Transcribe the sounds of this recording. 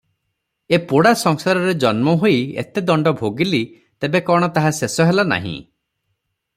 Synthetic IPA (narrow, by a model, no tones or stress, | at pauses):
epoɽasɔŋsaɾɔɾed͡ʒɔnmɔɦoiḛt̪ed̪ɔɳɖɔbʱoɡili | t̪ebekɔɽ̃ɔt̪aɦasesɔɦelana̰ɦḭ̃